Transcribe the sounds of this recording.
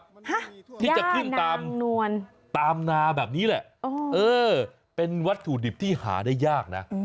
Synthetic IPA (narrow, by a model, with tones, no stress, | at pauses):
ha˦˥t̪ʰiː˥˩t͡ɕa˨˩kʰɯ˥˩nt̪aː˧mnu˧ən | t̪aː˧mnaː˧bɛː˨˩p̚niː˦˥lɛ˨˩ʔʔoː˧ʔɤː˧ | pe˧nwa˦˥t̪ʰːuː˨˩di˨˩p̚t̪ʰiː˥˩ha̰ː˩˦da˥˩jːaː˥˩k̚na˦˥